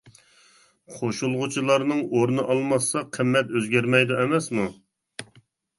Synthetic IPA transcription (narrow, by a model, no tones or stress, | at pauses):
qʰoʃulˠʁʊt͡ʃʰilˠɑɾnɨŋoɾnɨʔɑlˠmɑsːɑqʰəmːɛt̪øzɡʲæɾmɛjd̪uɛmɛsmu